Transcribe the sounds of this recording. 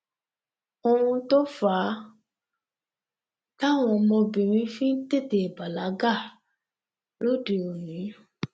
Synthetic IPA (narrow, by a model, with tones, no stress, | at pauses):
o˧ɾũ˧to˦fa˨˦ | ta˦˨w̃ɔ̃˧mɔ̃˧bĩ˨ɾ̃ĩ˧˦fĩ˦n̩˦te˦˨de˨ba˨la˨˦ɡa˦˨ | lo˦de˨o˨nĩ˨˦